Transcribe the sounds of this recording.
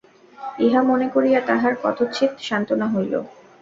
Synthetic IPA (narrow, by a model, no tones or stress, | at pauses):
eɦamonekoɾijat̪aɦaɾkɔ̰t̪ʰot͡ɕʰit̪ʃant̪onaɦojlo̰